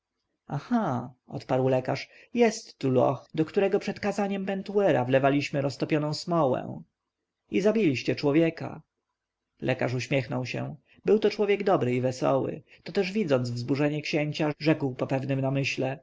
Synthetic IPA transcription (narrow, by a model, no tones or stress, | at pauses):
axaʔɔ̰t̪paɾwlɛkaʂ | jɛst̪ːulɔ̰xd̪ɔkt̪uɾɛɡɔpʂɛt̪kazaɲɛmpɛnt̪uɛɾa̰vlɛvalʲiɕmɘɾɔst̪ɔpʲjɔnɔ̃w̃smɔwɛ̰̃ | izabʲilʲiɕt͡ɕɛt͡ʂwɔvʲjɛka̰ | lʔɛkaʂuɕmʲjɛxnɔwɕɛ̰̃ | bɘwt̪ɔt͡ʂwɔvʲjɛɡd̪ɔbɾɘivɛsɔ̰wɘ̰ | t̪ɔt̪ɛʐvʲid̪zɔnd̪zvzbuʐɛɲɛkɕɛɲt͡ɕaʐɛkwpɔpɛvnɘmnamɘɕlɛ